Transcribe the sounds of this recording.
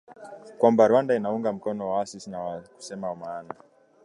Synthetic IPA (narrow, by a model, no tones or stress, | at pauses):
kwambaɾuwandainauŋɡam̩konowaasisinawaku̥semaumaːna